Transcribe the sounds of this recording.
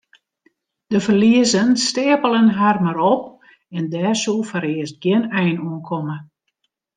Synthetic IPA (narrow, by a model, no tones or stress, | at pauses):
d̥əfərliəzənstɪːəpəlˠənɦarmaɾɔp̚ | ɛndɛːrsulˠfəɾɪəst̚ɡjɪnɛjnuənkʰɔmə